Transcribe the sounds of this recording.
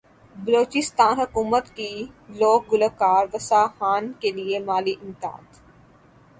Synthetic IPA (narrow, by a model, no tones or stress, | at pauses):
bɐloːt͡ʃɪst̪aːnɦɐkuːmət̪kiloːk̚ɡʊləkaːɾʋɐsaːxaːnkeliemaːliʔɪmt̪a̰ːd̪